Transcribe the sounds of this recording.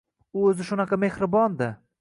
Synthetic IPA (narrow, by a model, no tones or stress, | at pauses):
ʊɵzɪʃʊnɑqʰɑme̞hɾɪbɒnd̪ɪ